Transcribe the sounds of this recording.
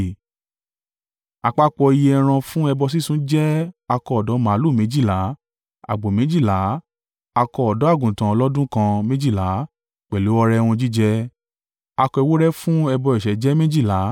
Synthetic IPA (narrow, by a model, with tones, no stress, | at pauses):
a˨k͡pa˦k͡pɔ˧i˧je˧ɛ˧ɾ̃ã˧fũ˦ɛ˧bɔ˧s̬i˦˨sũ˦d͡ʒɛ˦a˧kɔ˧ɔ˨dɔ˨˦mã˨˦lu˦˨mẽ˨˦d͡ʒi˦˨la˨˦ | a̰˨ɡ͡bo˨mẽ˨˦d͡ʒi˦˨la˨˦ | a˧kɔ˧ɔ˨dɔ˨˦a˦˨ɡũ˨tã˨˦ɔ˧lɔ˦dũ˦kã˧mẽ˦d͡ʒi˦˨la˨˦ | k͡pɛ˨lo˨˦ɔ˧ɾɛ˧˦˧w̃ɔ̃˧d͡ʒi˦d͡ʒɛ˦ | a˧kɔ˧i˧wo˦ɾɛ˦fũ˦ɛ˧bɔ˧ɛ˨ʃɛ˨˦d͡ʒɛ˦mẽ˦d͡ʒi˦˨la˨˦